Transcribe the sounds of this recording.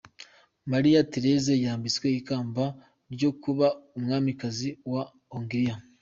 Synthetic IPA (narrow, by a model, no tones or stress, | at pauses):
maɾijateɾe̞zejaːmbit͡sweikaːmba | ɾɟo̞kuβaumŋaːmikaziwa | oŋɡiɾija